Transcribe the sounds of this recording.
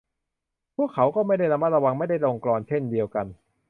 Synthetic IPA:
pʰu˥˩əkʰːa˩˦wkɔː˥˩ma˥˩jda˥˩jɾa˧ma˦˥˩ɾa˧wa˧ŋma˥˩jda˥˩jlo˧ŋklɔː˧nt͡ɕʰe˥˩ndi˧əwka˧n

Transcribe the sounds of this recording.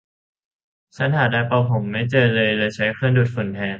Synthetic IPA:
t͡ɕʰa˦˥nhaː˨˩˦daː˧jpa˧wpʰo˩˦mːa˥˩jt͡ɕɤː˧lɤː˧jlaː˧t͡ɕʰa˦˥jkʰɯ˥˩ənduː˨˩t̪̚fu˨˩˦nt̪ʰɛː˧˥n

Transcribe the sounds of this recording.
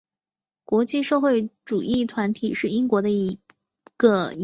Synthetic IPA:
kwɔ˧˥t͡ɕi˥˧ʂɤ˥˧xwe˥˩ɪʈ͡ʂu˨˩ʔi˥˩t̪ʰwa˧˥nt̪ʰi˨˩ʂɻ̩˥˩i˥ŋkwɔ˧˥d̪ə˧i˧˥ | ɡ̥ə˧

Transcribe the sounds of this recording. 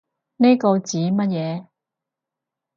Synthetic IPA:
ne˥ko˧wt͡siː˨˥mɐ˥t̚jɛː˨˧

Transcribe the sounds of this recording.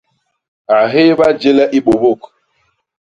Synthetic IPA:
a˨ɦe˦ba˦d͡ʒe˦lɛ˦ʔi˦ɓo˨bo˦˨k

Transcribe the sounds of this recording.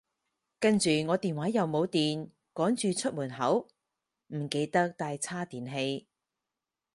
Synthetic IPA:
kɐ˥nt͡ʃyː˨ŋɔː˨˧t̪iː˨nwaː˨˥jɐ˨wmo˨˧wt̪iː˨n | kɔː˨˥ŋt͡ʃyː˨t͡ʃʰɵ˥t̚muː˨˩nɦɐ˨˥w | m̩˨˩ke˧jt̪ɐ˥k̚t̪aː˧jt͡sʰaː˥t̪iː˨nɦe˧j

